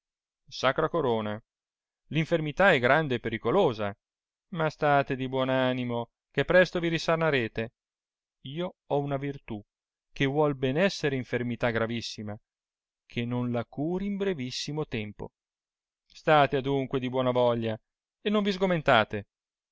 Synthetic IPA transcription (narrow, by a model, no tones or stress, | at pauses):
sakɾakoɾoːna | liɱfermit̪aɛɡɾand̪eːpːeɾikoloːza | mast̪aːt̪ed̪ibwɔːnaːnimo | k̟epːɾɛst̪oviɾisarnaɾeːt̪e | iːoɔunavirt̪u | k̟evwɔlbɛnɛsːeɾeiɱfermit̪aɡɾavisːima | kʰenonlakuːɾimbɾevisːimot̪ɛmpo̰ | st̪aːt̪ead̪uŋkwed̪ibwɔːnavɔʎːa | enːoɱvizɡoment̪aːt̪e